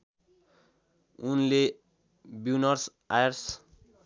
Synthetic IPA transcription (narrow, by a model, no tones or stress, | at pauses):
unle | bunʌrs | ajrs